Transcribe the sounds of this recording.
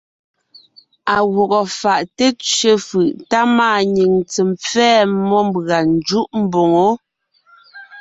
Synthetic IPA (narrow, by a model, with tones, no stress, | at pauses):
a˨ɣɔ˨ɣɔ˨fa˨ʔte˦t͡ʃɥe˦fɯ˨ʔta˦maː˦˨ɲi˨ŋt͡sə˨mp͡fɛː˦mɔ˦m˦bɣa˨n˦d͡ʒu˦ʔm̩˦bo˨ŋo˨˦